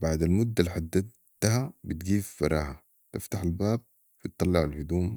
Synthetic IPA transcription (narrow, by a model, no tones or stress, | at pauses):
baʕd̪almʊd̪ːaliħad̪ːad̪ | t̪habit̪ɡiːffɑɾˤɑ̰ːha | t̪ɪft̪aħalbaːb̚ | bit̪ˤːɑlːɪʕalhʊd̪uːm